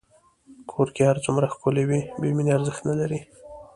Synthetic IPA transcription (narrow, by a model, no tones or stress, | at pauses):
kʰoɾkehaɾt͡sʊmɾaxkolewibemineaɾzəxt̪nalaɾi